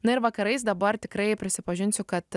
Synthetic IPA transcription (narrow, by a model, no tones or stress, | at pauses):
nʊɪɾʋɐkɐɾɐɪsd̪ɐbɐɾt̪ʲɪkɾɐɪpʲɾʲɪsʲɪpɐʒʲɪnʲsʲʊkɐt̪